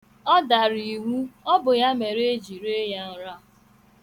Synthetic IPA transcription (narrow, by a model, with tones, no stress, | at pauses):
ɔ˦da˨ɾi˨wu˦ɔ˦bʊ˨ja˦me˨ɾe˦d͡ʒi˨ɾe˦ja˦n̩˨ɾa˦˨